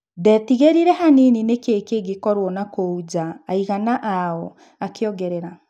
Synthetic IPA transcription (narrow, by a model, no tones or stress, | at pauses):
dɛtiɣeɾiɾɛɦanininekeːkeɡekɔɾwɔnakoud͡ʑaːiɣanaʔaɔ | akeɔɣɡɛɾɛɾa